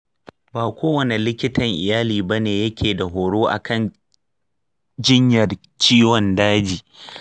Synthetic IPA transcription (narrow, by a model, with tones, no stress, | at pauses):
baː˨kʷoː˦wɐ˨ne˨lɪ˦kʲɪ˦tɐ˨ŋʔɪ˨jaː˦liː˨ba˦neː˨jɐ˦kʲeː˨da˨ɦoː˨ɽoː˦ʔa̰˨kʰɐ˦˨n | d͡ʒɪ˦ɲjɐ˨r | t͡ʃiː˦wɔ˨ndaː˦d͡ʒiː˨